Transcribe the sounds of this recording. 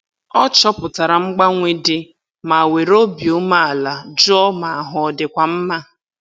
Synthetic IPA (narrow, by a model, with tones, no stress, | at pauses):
ɔ˦t͡ʃɔ˦pʊ˨ta˨ɾa˨ŋ͡m̩˦ɡ͡ba˦ŋʷe˦dɪ˦ | ma˨we˨ɾo˦bjo˦ma˦a˨la˨d͡ʒɔ˦ma˨ɦʊ˨ɔ˨dɪ˨kʷa˨m̩˦ma˦